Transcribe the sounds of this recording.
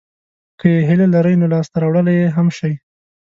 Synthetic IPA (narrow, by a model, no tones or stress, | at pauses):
kʰəjeɦɪlalaɾəjnolɑst̪aɾɑwɽəlajeɦamʃaj